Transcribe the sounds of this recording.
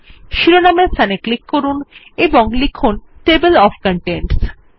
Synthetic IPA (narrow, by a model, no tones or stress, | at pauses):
ʃiɾonamest̪ʰaneklikːoɾuneboŋlikʰunʈebelɔfʰkɔɳʈenʈs